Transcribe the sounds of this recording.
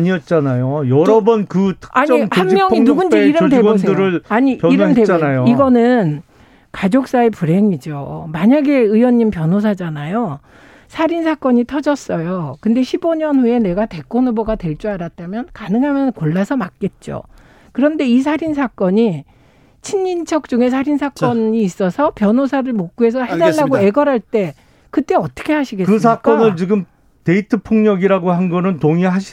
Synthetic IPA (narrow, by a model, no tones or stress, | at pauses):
aɲiʌt̚t͡ɕ͈anajojʌɾʌbʌnkɯtʰaɲhanːjʌŋinuɡund͡ʑeiɾʌndeos̬ʰeɾɯaɲipjiɾʌndebnajoiɡʌnɯn | kad͡ʑok̚s͈aepuɾe̞ŋid͡ʑomaɲaɡe̞ɯjwʌɲːimpjʌnɦos̬ʰad͡ʑanajo | sʰaɾinsʰak͈ʌɲitʰʌd͡ʑʌs͈ʌjokɯnde̞ɕʰiboɲʌnhue̞ne̞ɡate̞k͈onɯboɡatwe̞ɭt͡ɕ͈uaɾat̚t͈amjʌnkanɯŋɦamjʌnkoɭːasʰʌmak͈e̞t̚t͡ɕ͈o̰ | kɯɾʌnde̞is̬ʰaɾinsʰak͈ʌɲi | t͡ɕʰiɲːint͡ɕʰʌk̚t͡ɕ͈uŋe̞s̬ʰaɾinsʰak͈ʌɲiːs͈ʌsʰʌpjʌnɦosʰaɾɯɭmok͈ue̞s̬ʰʌhedaɭːaɡoe̞ɡʌɾɦaɭt͈e̞ | kɯt͈e̞ʌt͈ʌ̥kʰe̞ɦaɕʰiɡekːɯs̬ʰak͈ʌnɯɭt͡ɕiɡɯm | te̞itʰɯpʰoŋɲʌɡiɾaɡoɦanɡʌnɯntoŋiɦaɕʰi